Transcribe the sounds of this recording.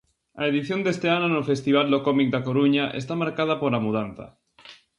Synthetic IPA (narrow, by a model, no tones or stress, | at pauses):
a̰eðiθjond̪est̪eanonofest̪iβ̞ald̪okɔmik̚d̪akoɾuɲaʔḛst̪amaɾkað̞apoɾlamuð̞anθa̰